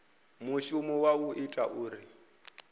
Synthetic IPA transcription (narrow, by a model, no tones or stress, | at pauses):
muʃumɔwauʔitʼaʔuːɾi